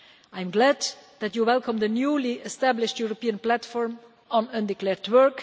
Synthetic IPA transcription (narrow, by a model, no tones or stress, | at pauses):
ãɪ̃mɡlæd̪ðætjuwɛlˠkʰə̃mðənjuliɛstæblɪʃtjuɹɔpiə̃nplætfɔɹm | ɔ̃nə̃ndɪklɛɹdwɜ˞k